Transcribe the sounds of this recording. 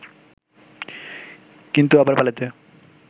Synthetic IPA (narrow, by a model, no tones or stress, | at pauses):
kint̪uabaɾbalat̪e